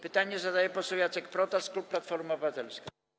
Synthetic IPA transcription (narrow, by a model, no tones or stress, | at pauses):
pɘt̪aɲɛzad̪ajɛpɔsɔwjat̪sɛkpɾɔt̪ast̪klupːlat̪fɔɾumaɔbɘvat̪ɛlskʲi